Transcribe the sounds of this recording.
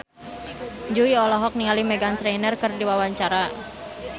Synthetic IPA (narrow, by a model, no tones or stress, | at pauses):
d͡ʒuiɔlɔɦɔk̚niŋalimɛɡansɾanərkərdiwawaɲt͡ʃaɾa